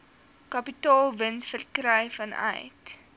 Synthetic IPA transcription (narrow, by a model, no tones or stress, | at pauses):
kɐpitɑːlˠvənsfərkrəjfɐnʔɐ̰jt